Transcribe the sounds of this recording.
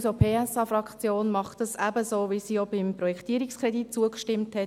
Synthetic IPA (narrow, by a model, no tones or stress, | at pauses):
sopʰeːæsɑfɾɑkχt͡sjoːnmɑχtɑsæbəsoːʋisiːjobɪmpɾɔjɛkʰtiəɾikskʰɾɛdit̚t͡suəkʃtɪmthɛ